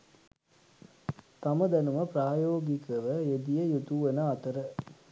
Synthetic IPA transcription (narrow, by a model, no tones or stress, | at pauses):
t̪ɐmɐd̪ɛnuʋɐpɾaːjoːɡikɐʋɐed̪ijɐjut̪uʋɐnɐɐt̪ɐɾɐ